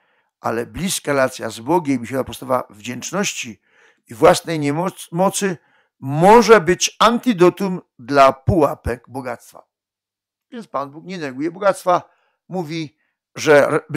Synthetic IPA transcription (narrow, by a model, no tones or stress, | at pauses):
ʔa̰lɛblʲiskaɾɛlat̪sʲja̰zbɔɡʲɛmmʲiɕɛt̪apɔst̪ava̰vd͡ʑɛnt͡ʂnɔɕt͡ɕi | ivwasnɛjɲɛmɔt̪sɘ | mɔʐɛbɘt͡ɕant̪ɨd̪ɔt̪um | d̪lapuwapɛɡbɔɡat̪st̪fa̰ | vʲjɛnt̪spanbukɲɛnɛɡujɛbɔɡat̪st̪fa | muvʲi | ʐɛ